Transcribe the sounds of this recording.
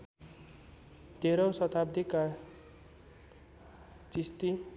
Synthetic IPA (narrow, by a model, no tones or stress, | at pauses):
d̪̥ʱeɾosʌt̪ʰab̚d̪ika | t͡sist̪i